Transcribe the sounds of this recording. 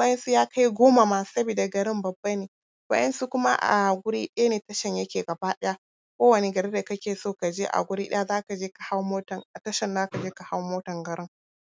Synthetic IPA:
wa˦jɛ˦nsu˦jaː˦kʰa˦jɡʷoː˦ma˨ma˦sɐ˦biː˨da˨ɡɐ˨ɾɪ˦mbɐ˨bːa˦neː˨ | wa̰˦ʔɐ˦nsu˦kʷʊ˦ma˦ʔa̰˨ɡʷʊ˦ɽḭː˦ɗɐ˦ja˦neː˨tɐ˦ʃɐ˨ɲjɐ˦kʲeː˨ɡɐ˨baː˦ɗɐ˦ja˦ | kʷoː˦wɐ˨ne˨ɡɐ˨ɾeː˦da˨kɐ˦kʲeː˨soː˦˨ka˨d͡ʒeː˦ʔa̰˨ɡʷʊ˦ɾiː˦ɗɐ̰˦ja˦zaː˦ka˨d͡ʒeː˦ka˨ha˦wmoː˦tɐ˨ŋa˨tɐ˦ʃɐ˨nzaː˦ka˨d͡ʒeː˦ka˨ha˦wmoː˦tɐ˨ŋɡɐ˨ɾɪ˦ŋ

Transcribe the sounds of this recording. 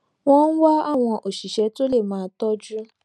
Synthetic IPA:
w̃ɔ̃˦n̩˦wa˦a˦˨w̃ɔ̃˧ʔo˨ʃi˨ʃɛ˨˦to˦le˦˨mãː˨˧˦tɔ˦d͡ʒɾũ˦

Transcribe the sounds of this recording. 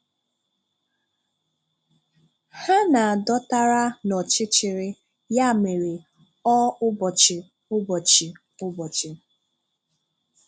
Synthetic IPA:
ha˦na˨a˨dɔ˦ta˦ɾa˦nɔ˨t͡ʃɪ˦t͡ʃɪ˨ɾɪ˦ | ja˦˨me˨ɾe˨ | ɔ˦ʊ˦bɔ˨t͡ʃɪ˨ | ʊ˦bɔ˨t͡ʃɪ˨ | ʊ˦bɔ˨t͡ʃɪ˨

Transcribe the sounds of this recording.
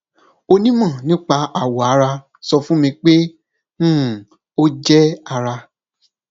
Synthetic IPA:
o˧nĩ˦mã˦˨nĩ˦k͡pa˧a˨wo˨a˨˧˦ɾa˧ | sɔ˧fũ˦mĩ˧k͡pẽ˦˨ | o˦d͡ʒɛ˦a˧ɾa˧

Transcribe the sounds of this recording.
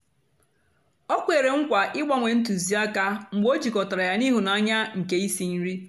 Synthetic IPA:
o˦kʷe˨ɾe˨ŋ̩˦kʷa˨ʔɪ˦ɡ͡ba˦ŋʷe˨n̩˦t̬u˨zi˨a˦ka˦ŋ͡m̩˨ɡ͡bo˦d͡ʒi˨kɔ˨ta˨ɾa˨ja˦ni˦ɦu˨na˨a˦ɲa˦ŋ̩˨ke˦i˦si˨n̩˦ɾi˦

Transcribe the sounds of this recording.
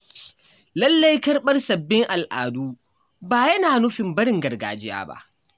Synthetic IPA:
lɐ˦lːɐ˦jkɐ˦rɓɐ˦rsɐ˨bːɪ˦ŋʔa˨lʔa̰ː˨duː˦ | baː˨jɐ˦naː˨nʊ˦ɸɪ˨mbɐ˦ɾɪ˦ŋɡɐ˨rɡa̰ː˨d͡ʒɪ˦ja̰ː˦˨ba̰˦ʔ

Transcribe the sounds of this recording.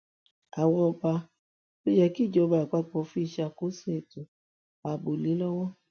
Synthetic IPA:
a˨wɔ˧ba˧ | o˦jɛ˦˧˨ki˦˨d͡ʒɔ˨˧ba˧˨a˨k͡pa˦k͡pɔ˧˦fi˦˧ʃa˧ko˦sũ˦e˨to˨ | a˨bo˨li˨˦lɔ˦wɔ˦

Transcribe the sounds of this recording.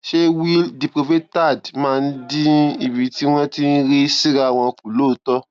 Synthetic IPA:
ʃe˦wi˦ldi˨pɾo˧ve˦tta˦˨dmãː˦˧n̩˦di˦i˦˨bi˨ti˦w̃ɔ̃˦ti˦n̩˦ɾi˦si˦ɾa˦˨w̃ɔ̃˧ku˨lo˦˨tɔ˦

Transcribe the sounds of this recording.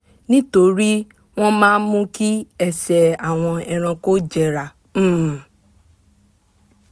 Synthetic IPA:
nĩ˦to˧ɾi˦ | w̃ɔ̃˦mãː˦mũ˦ki˦ɛ˦sɛ˨a˨w̃ɔ̃˧ɛ˧ɾ̃ã˧ko˦d͡ʒɛ˨ɾa˨˦˨

